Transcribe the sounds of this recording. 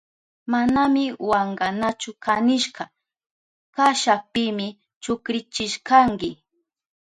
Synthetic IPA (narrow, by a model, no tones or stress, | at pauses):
manamɪwaɴɢanat͡ʃʊkanɪʃkɑ | kaʃapɪmɪ | t͡ʃʊkɾɪt͡ʃɪʃkaŋkɪ